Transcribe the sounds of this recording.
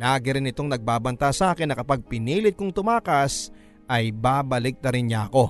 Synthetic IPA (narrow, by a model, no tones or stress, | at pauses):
laːɡɪɾɪnɪt̪o̞ŋnɐɡ̚baːbɐnt̪asɐʔaːkɪnːɐkɐpaɡ̚pɪniːlɪt̪̚kʊŋt̪ʊmaːkɐs | ʔɐjbaːbɐlɪk̚t̪ɐɾɪnɲɐɐko̞